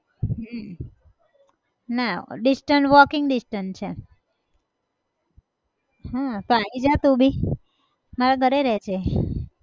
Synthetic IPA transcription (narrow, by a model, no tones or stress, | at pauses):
ɦəm | naɖisʈəɳʈʋɔkɪŋɡɖɪsʈəɳt͡ʃʰe | ɦãt̪oaid͡ʒat̪ũbʱi | maɾaɡʱəɾeɾɛt͡ʃʰe